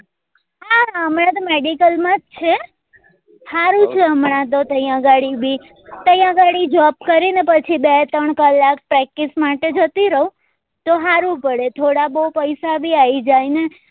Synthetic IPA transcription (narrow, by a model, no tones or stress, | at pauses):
haəmɳãt̪̬omeɖikəlmãd͡ʒt͡ʃʰe | haɾũt͡ʃʰeəmɳãt̪ot̪əjãɡaɽibʱi | t̪əjãɡaɽid͡ʒɔp̚kəɾinepət͡ʃʰibet̪əɳkəlːak̚pɾɛk̚ːismaʈed͡ʒət̪iɾəɦũ | t̪oɦaɾũpəɽet̪ʰoɽabəupəjsabʱiaid͡ʒajne